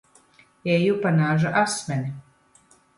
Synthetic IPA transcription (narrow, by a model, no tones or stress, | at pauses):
ɛjupanaːʒaʔasmʲɛni